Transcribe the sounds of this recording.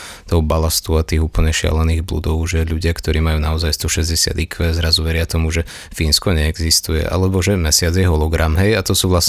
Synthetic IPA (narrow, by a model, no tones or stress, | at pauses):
t̪ɔbalast̪ɔʊat̪iːɣuːpl̩ɲɛʃɪa̰laniːɣblṵd̪ɔʊʒɛʎuɟɪakt̪ɔɾiːmajuːnaɔzajst̪ɔʃɛzɟɛsɪa̰d̪ikʰʋɛːzɾazuʋɛɾɪat̪ɔmuʒɛ | fiːnskɔɲɛːɡzist̪ujɛ̰ʔa̰lɛbɔʒɛmɛsɪad͡zjɛɦɔlɔɡɾʔamɦɛjat̪ɔsuːʋlas